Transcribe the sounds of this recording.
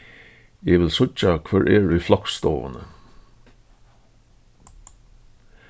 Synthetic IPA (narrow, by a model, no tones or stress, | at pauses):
jeːʋɪlsʊt͡ʃɑkʰʋœɹʔeːɹʉːflɑkst̪oːʋə̰nə